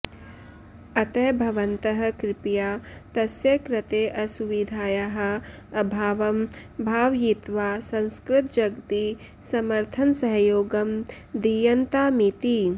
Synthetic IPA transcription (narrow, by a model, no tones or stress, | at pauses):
ɐt̪ɐjbʱɐʋɐnt̪ɐɦɐ̆kɾɪpjaːt̪ɐsjɐkɾɐt̪eːʔɐsuʋid̪ʱaːjɐɦɐ̆ | ɐbʱaːʋɐmbʱaːʋjit̪ʋaːsɐ̃nskɾɪt̪̚d͡ʒɐɡt̪i | sɐmɐɾt̪ʰɐnsɐɦɐjoːɡɐm | d̪ijɐnt̪aːmit̪i